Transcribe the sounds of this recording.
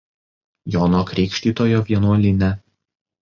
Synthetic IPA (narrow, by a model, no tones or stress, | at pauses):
jɔnokɾʲɛɪkʃʲt̪ʲiːt̪oːjoʋʲiɛnuɔlʲɪnʲɛ